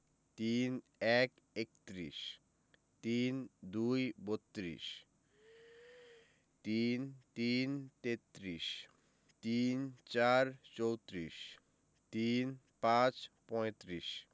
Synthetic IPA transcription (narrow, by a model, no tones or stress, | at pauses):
t̪in | ɛk | ek̚t̪ɾḭʃ | t̪ind̪ujbot̪ːɾḭʃ | t̪int̪int̪et̪ːɾiʃ | t̪int͡ɕaɾt͡ɕowt̪ɾiʃ | t̪in | pãt͡ɕpɔet̪ɾiʃ